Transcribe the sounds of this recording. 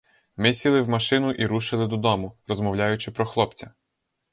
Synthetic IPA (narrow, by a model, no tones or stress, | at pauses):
mɪsʲilˠɪwmɐʃɪnʊʔiɾuʃɪlˠɪd̪ɔd̪ɔmʊɾɔzmɔwlʲajʊt͡ʃɪpɾɔxlˠɔpt͡sʲɐ